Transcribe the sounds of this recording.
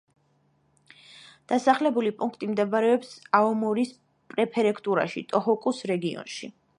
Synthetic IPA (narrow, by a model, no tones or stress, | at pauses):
d̪̥asaχlɛbulipʼũŋkʰt̪ʼimd̪ɛbaɾɛɔpsaɔmɔɾis | pʼɾɛpʰɛɾɛkʰt̪ʼuɾa̰ʃḭt̪ʼɔɦɔkʼusɾɛɡiɔ̰nʃḭ